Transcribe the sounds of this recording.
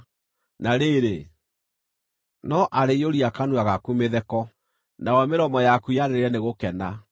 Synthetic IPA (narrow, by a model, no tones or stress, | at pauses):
naɾeɾe | nɔʔaɾeioɾiakanuaɣakumeðɛkɔ | nawɛmeɾɔmɔjakujaɾeeɾɛneɣokɛna